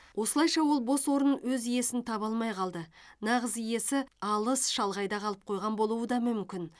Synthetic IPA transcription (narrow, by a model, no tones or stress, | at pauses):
wʔo̞səlˠɑjʃɑwo̞lˠbo̞swo̞ɾənwɵzije̞sɪnt̪ʰɑβɑlˠmɑjqʰɑlˠd̪ə | nɑʁəzije̞sɪɑlˠəsʃɑlˠʁɑjd̪ɑqʰɑlˠəp̚qʰo̞jʁɑnbo̞lˠuwəd̪ɑmʏmkʲɪn